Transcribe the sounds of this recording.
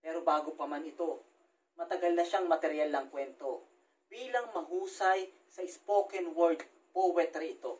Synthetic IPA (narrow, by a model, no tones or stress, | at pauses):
pɛːɾo̞baːɡopɐmanɪt̪o̞ | mɐt̪ɐɡalnɐʃaŋmɐt̪ɛɾjalːɐŋkwɛnt̪o̞ | b̥iːlɐŋmɐɦuːsɐj | sɐʔɪspoːkɛnwoɾd̪̚ | powɛt̪ɾiɪt̪o